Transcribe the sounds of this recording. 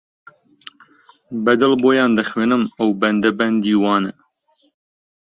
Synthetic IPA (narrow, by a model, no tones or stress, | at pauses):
bɐd̪ɐlboːjɑːnd̪ɐxweːnɨmɐwbɐnd̪ɐbɐnd̪iːwɑːnɛ